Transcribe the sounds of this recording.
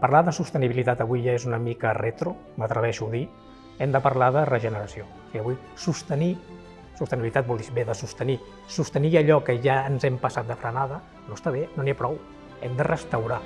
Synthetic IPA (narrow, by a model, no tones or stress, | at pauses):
pəɾlaðəsust̪əniβilit̪at̪əβujʒaezunəmikəret̪ɾu | mət̪ɾəβ̞ɛʃuði | ɛmd̪əpəɾlaðərəʒənəɾəsio | kɛəβuj | sust̪əni | sust̪əniβilit̪at̪̚bɔlˠd̪ibeðəsust̪əni | sust̪əniəʎɔkəʒaənzɛmpəsat̪̚d̪əfɾənaðə | noəst̪aβenoniapɾɔw | ɛmd̪ərəst̪əwɾa